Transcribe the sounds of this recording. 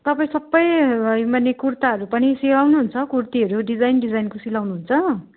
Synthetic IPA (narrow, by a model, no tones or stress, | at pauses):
t̪ʌpaĩsʌbːʌjjmanekurt̪aʌɾupʌnisilawnuɦunt͡sʰʌkurt̪iʌɾuɖid͡zajnɖid͡zajnkosilawnuɦunt͡sʰʌ